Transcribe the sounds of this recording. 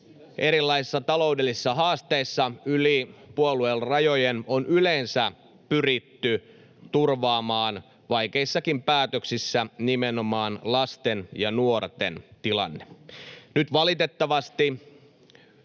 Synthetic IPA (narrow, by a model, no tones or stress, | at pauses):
ʔeɾilːɑisisːɑt̪ɑlo̞udelːisisːɑɦɑːst̪eisːɑylipuoluelrɑjojenonʔyle̞nsæ | pyrit̪ːy | t̪urʋɑːmɑːn | ʋɑike̞isːɑkimpæːt̪øksisːænimenomɑːnlɑst̪enjɑnuort̪ḛnt̪ilɑ̰nːenyt̪ʋɑlit̪et̪ːɑʋɑst̪i